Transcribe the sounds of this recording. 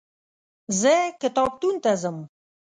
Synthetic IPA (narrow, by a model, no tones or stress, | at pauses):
zɛkət̪ɑp̚t̪unt̪ɛzəm